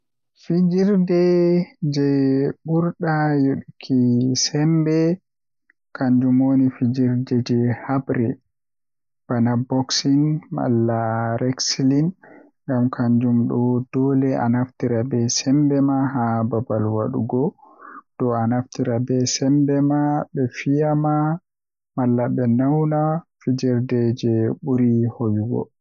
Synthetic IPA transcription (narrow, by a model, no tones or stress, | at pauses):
fid͡ʒiɾdɛd͡ʒɛɓuɾɗajoɗukʰisɛmbɛ | kʰaɲd͡ʒumonifid͡ʒiɾdɛd͡ʒɛhabɾɛ | b̥anabɔksinma̰lːaɾɛksilin | ŋɡamkʰaɲd͡ʒumɗɔd̥ɔlɛa̰naftiɾabɛsɛmbɛmaɦababalwaɗṵɡɔd̥ɔanaftiɾabɛsɛmbɛmabɛfijama | malːabɛnawnafid͡ʒɛɾdɛd͡ʒɛɓuɾihojuɡɔ̰